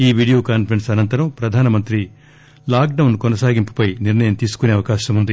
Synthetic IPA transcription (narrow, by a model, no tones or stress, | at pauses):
iːʋiːɽijoːkaːnfɾeɳsɐnɐnt̪ɐɾɐmpɾɐd̪ʱaːnɐmɐnt̪ɾi | laːk̚ɖɐwunkɔnɐsaːɡimpɐ̥pɐjniɾnɐjɐmt̪iːsu̥kuneːɐʋɐkaːʃɐmund̪i